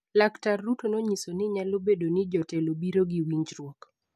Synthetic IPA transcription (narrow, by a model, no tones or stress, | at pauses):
laktarːutonoɲisonɪɲalobedonɪd͡ʒɔtɛlobiɾoɡiwiɲd͡ʒɾwɔk